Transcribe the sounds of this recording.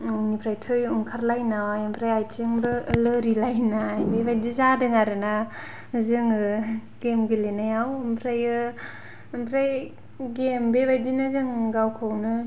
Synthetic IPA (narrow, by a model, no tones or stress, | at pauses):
nipʰɾajtʰɯjuŋkʰaɾlajnawajampʰɾajajtiŋbɯːlɯɾilajnajbebajdizadɯŋaɾɯna | zɯŋɯ | ɡ̥emɡilenajawmpʰɾajɯ | ɯmpʰɾaj | ɡembebajdinazɯŋɡawkʰɯwnɯ